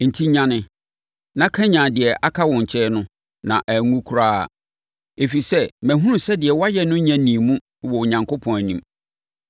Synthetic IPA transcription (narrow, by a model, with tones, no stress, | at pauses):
n̩˨tʰi˦ɲã˦nɪ̃˦ | nã˦kʰã˦ɲã˨dɪ˨ɛ˨ʔa˦kʰa˦wɔ̃˨ɲ̩˨t͡ɕʰɛ˦nʊ̃˦ | nã˨ʔæ˨ŋũ˦kʰu˨ɾaː˦a̰˨ | e˨fi˨sɛ˦mæ̃˨ɦũ˦ũ˦˨sɛ˦dɪ˨ɛ˨wa˦jɛ˦nʊ̃˦ɲã˨nĩ˨mũ˦˨wɔ˨ɲã˨ŋkʰo˦pʰɔ̃˨æ˨nĩ˨m